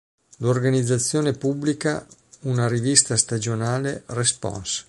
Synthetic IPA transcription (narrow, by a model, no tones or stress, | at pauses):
lorɡanid̪zːat̪sːjoːnepubːlika̰unaɾivist̪ast̪ad͡ʒonaːlerespɔ̰ns